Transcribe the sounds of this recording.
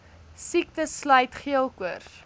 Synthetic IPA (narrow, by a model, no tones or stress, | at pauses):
sik̚təslœɥtχiəlˠkuər